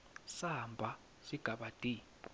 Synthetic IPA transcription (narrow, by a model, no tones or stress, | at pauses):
sambʱa | siɡ̥ʱaɓatʼi